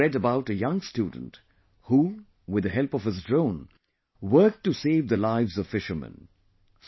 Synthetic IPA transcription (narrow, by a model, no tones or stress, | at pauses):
ɛdəbaʊtɨjʌ̃ŋstuːdⁿn̩t | hu | wɪðəɦɛlpʌv̥ɨzdɹõʊ̃n | wɜ˞k̚tɨseɪvðəlaɪvzʌv̥fɪʃə˞mə̰̃n